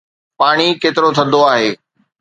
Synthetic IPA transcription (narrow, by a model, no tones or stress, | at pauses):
paːɽ̃ikeːt̪ɪɾot̪ʰɐ̃nd̪oaːɦeː